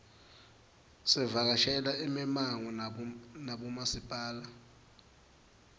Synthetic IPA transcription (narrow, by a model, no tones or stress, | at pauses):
sɛvak̬aʃɛlaimɛmaŋɔnaɓumasipʼaːla